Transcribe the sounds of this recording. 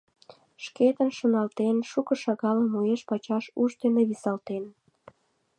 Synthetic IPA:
ʃket̪ənʃonɑlt̪enʃukə̆ʃɑɣɑləmueʃpɑt͡ɕɑʃuʃt̪eneβisɑlt̪en

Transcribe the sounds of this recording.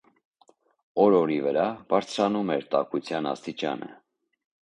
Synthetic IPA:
ɔɾɔɾivəɾɑb̥ɑɾt͡sʰɾɑnumɛɾt̪ɑkut͡sʰjɑnɑ̰st̪it͡ʃɑ̰nə̰

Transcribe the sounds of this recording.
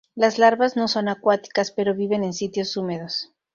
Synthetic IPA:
lazlaɾβazno̞so̞nakwat̪i̥kaspe̞ɾo̞βiβe̞ne̞nsit̪jo̞sume̞ð̞o̞s

